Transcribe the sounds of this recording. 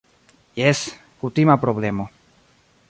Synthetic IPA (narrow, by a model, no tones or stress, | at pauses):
jes | kut̪imapɾoblemo